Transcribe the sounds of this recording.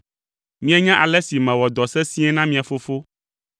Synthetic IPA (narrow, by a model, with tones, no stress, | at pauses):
mĩ˦a˦ɲã˦ʔa˨lɛ˦si˨mɛ̃˨wɔ˨d̪ɔ˨sɛ˦sĩ˦ɛ˦nã˦mĩ˦a˨fo˦fo˦